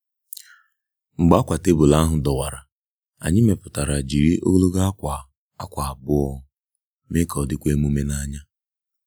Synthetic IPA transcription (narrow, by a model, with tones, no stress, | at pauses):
ŋ͡m̩˨ɡ͡ba˨˦kʷa˨te˦bʊ˨la˦ɦʊ˨dɔ˨wa˨ɾa˨ | a̰˨ɲɪ˦me˨pʊ˨ta˨ɾa˨d͡ʒi˨ɾi˦ʔo̰˦ɡlo˦ɡa˦kʷa˨ | a˦kʷa˨a˨bʊ˦ɔ˦ | me˦kɔ˨dɪ˦kʷe˦mu˦me˦na˦ɲa˦